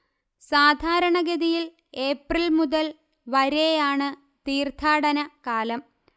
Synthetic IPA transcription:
saːd̪ʱaːɾɐɳɐɡɐðijil | e̞ːprilmuðɐl | ʋɐɾejaːɳɨ | t̪iːrt̪ʰaːɽɐnɐkaːlɐm

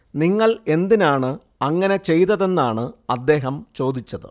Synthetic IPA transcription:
niŋːɐɭe̞nd̪inaːɳɨ | ɐŋːɐne̞t͡ɕe̞jt̪ɐðe̞nːaːɳɨɐd̪ːe̞ːɦɐmt͡ɕo̞ːd̪it͡ɕːɐðɨ̰

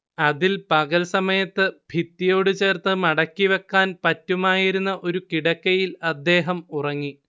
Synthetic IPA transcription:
ɐðilpɐɣɐlsɐmɐjɐt̪ːɨbʱit̪ːijo̞ːɽɨt͡ɕe̞ːrt̪ːɨmɐɽɐkːiʋekːaːnpɐtːumaːjiɾunːɐʔo̞ɾukiɽɐkːɐjilɐd̪ːe̞ːɦɐmurɐŋːi

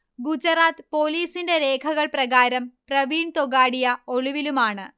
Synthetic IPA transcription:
ɡut͡ɕɐraːt̪po̞ːliːsinde̞ɾe̞ːkʰɐɣɐɭprɐɣaːɾɐmprɐʋiːnt̪oɣaːɽijɐo̞ɭuʋilumaːɳɨ

